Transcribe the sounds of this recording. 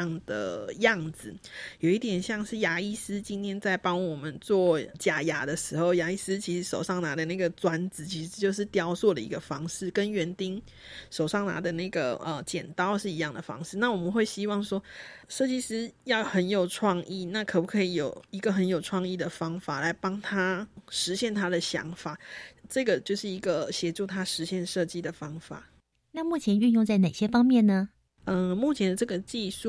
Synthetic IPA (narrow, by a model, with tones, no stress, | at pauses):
ŋd̪ə̰˩jɑ˥˩ŋd͡z̩˨˩jo˨˩ʊi˥t̪jɛ˨˩nɕjɑ˥˧ŋʂɻ̩˥˩ja˧˥i˥sɹ̩˥t͡ɕi˥nt̪ʰjɛ˥nt͡sa˥˩ɪpɑ˥ŋwɔ˨˩mə˦nt͡swɔ˥˩t͡ɕja˨˩ja˧˥d̪ə˨ʂɻ̩˧˥xo˥˧˩ʊja˧˥i˥sɹ̩˦t͡ɕʰi˧˥ʂɻ̩˧˦˥ʂo˨˩ʊʂɑ˥˩ŋna˧˥˦d̪ə˧na˥˩ɡə˩t͡swa˥nd͡zɹ̩˨˩t͡ɕʰi˧˥ʂɻ̩˧˦t͡ɕjo˥˧ʊʂ̬ɻ̩˥˩t̪jɑ˥ʊswɔ˥˩d̪ə˨˩ḭ˧˥ɡə˧fɑ˥ŋʂɻ̩˥˩kə˦nɥɛ˧˥nt̪i˥ŋ | ʂo˨˩ʊʂɑ˥˩ŋna̰˧˥d̪ə˨na˥˩ɪɡə̰˩ə̰˨˩t͡ɕjɛ̰˨˩nt̪ɑ˥ʊʂɻ̩˥˩i˧˦jɑ˥˩ŋd̪ə˨˩fɑ̰˥ŋʂɻ̩˥˧na˥˩wɔ˨˩mə˨˦nxwe˥˩ɪɕi˥wɑ˥˩ŋʂwɔ˥ʂɤ˥˩t͡ɕi˥ʂɻ̩˥jɑ˥˨˩ʊxə˧˥njo˨˩ʊʈ͡ʂʰwɑ˥˧ŋi˥˩na˥˩kʰɤ˨˩pu˥kʰɤ˧˥i˧˩jo˨˩ʊi˧˦˥ɡə˨xə˧˦njo˨˩ʊʈ͡ʂʰwɑ˥˧ŋi˥˩d̪ə˩fɑ˥ŋfa˨˩la˧˥ɪpɑ˥ŋt̪ʰa˥ʂɻ̩˧˦ɕjɛ˥˩nt̪ʰa˥d̪ə˨ɕjɑ̰˧˥ŋfa˨˩˦ʈ͡ʂɤ˥˩ɡə˩t͡ɕjo˥˧ʊʂɻ̩˥˩i˧˥ɡə˨ɕjɛ˧˥ʈ͡ʂu˥˩t̪ʰa˥ʂɻ̩˧˦ɕjɛ˥˧nʂɤ˥˧˩t͡ɕi˥˩d̪ə˨fɑ˥ŋfa̰˨˩˦ | na˥˧mu˥˩t͡ɕʰjɛ˧˥ny˥˧njʊ˥˧ŋt͡sa˥˩ɪne˨˩ɪɕjɛ˥fɑ˥ŋmjɛ˥˩nnə˩ | ə˥˧mu˥˩t͡ɕʰjɛ˧nd̪ə˨˧ʈ͡ʂɤ˥˩ɡə˨t͡ɕi˥˧ʂu˥˩